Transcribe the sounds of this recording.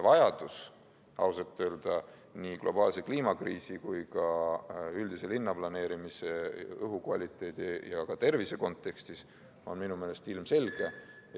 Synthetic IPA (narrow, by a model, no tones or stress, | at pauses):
vɑjɑd̪̥us | ɑ̰wsɑt̪ːˑøːld̪̥ɑ | niɡ̥lʔo̞bɑːlse̞kliːmɑkriːsikujkɑ | yld̪ise̞linːɑplɑne̞ːɾimise̞ɤɦukvɑlʲit̪ːˑe̞ːd̪̥ijɑkɑt̪e̞rvise̞ko̞nt̪ˑːe̞kst̪is | o̞̰nminume̞ːle̞st̪ilmse̞lɡ̥e̞